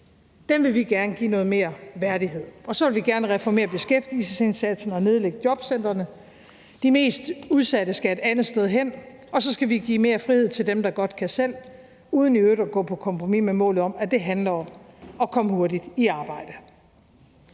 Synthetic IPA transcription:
d̥emʋe̝lʋiɡ̥æɐnəɡ̥ḭːnɔ̽ːð̞̩ˠme̝ːɐʋæɐɾ̥iɦe̝ð̞̰ˠɒ̽sɒ̽ʋe̝lʋiɡ̥æɐnəʁɛfɒme̝̰ːɐb̥e̝sɡ̥efd̥isəse̝nsæd̥sn̩ɒ̽ne̝ð̞ˠleɡ̥əd̥jɒ̽b̥sen̰d̥ʁɐnə | d̥ime̝̰ːsd̥uð̞ˠsæd̥əsɡ̥æe̝d̥ænð̩ˠsd̥eð̞ˠɦen̰ | ɒ̽sɒ̽sɡ̥æʋiɡ̥ḭːme̝ːɐfʁihe̝ð̞̰ˠt͡sʰe̝ld̥emd̥ɑ̈ɡ̥ɒ̽d̥̚kʰæsel̰ | uːð̞ˠn̩iøɾ̥ɒɡ̥ɔ̰̽ːpʰɒ̽kʰɒ̽mpʰʁomimemɔ̰ːlð̩ˠɒ̽mæd̥e̝ɦænlɐɒ̽mɒ̽kʰɒ̽məho̝ɐdid̥iɑ̈ːb̥ɑ̈ɪ̰d̥ə

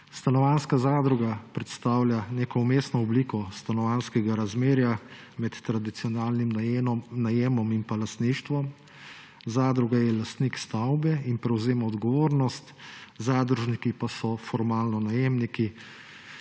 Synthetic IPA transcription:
st̪anɔʋanskazaːd̪ɾuɡapɾɛt̪st̪aːwlʲjaneːkɔumeːsnɔɔbliːkɔst̪anɔʋanskɛɡaɾazmeːɾja | mɛt̪ːɾad̪it̪iɔnaːlnimnajeːmɔminpalast̪niʃt̪ʋɔm | zaːd̪ɾuɡajɛlast̪nikst̪awbɛinpɾɛwzeːmaɔd̪ɡɔʋoːɾnɔst̪zaːd̪ɾuʒnikipasɔfɔɾmaːlnɔnajeːmniki

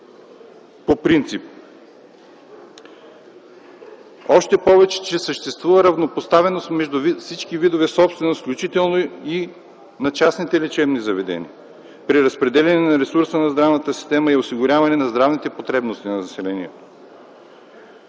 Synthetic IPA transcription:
popɾint̪sip̚ | ɔʃt̪ɛpɔvɛt͡ʃɛ̥t͡ʃɛsəʃt̪ɛst̪vuvəɾɐvnopost̪avɛnost̪mɛʒd̪ufsit͡ʃkivid̪ovɛsɔpst̪vɛnosklʲut͡ʃit̪ɛlˠnoi | nɐt͡ʃasnit̪ɛlɛt͡ʃɛbnizɐvɛd̪ɛ̰nḭə | pɾiɾɐspɾɛd̪ɛlʲɐnɛnɐɾɛsuɾsənɐzd̪ɾavnət̪əsi̥st̪ɛməiosiɡʊɾʲavɐnɛnɐzd̪ɾavnit̪ɛpot̪ɾɛbnost̪inɐnɐsɛlɛniɛt̪o̥

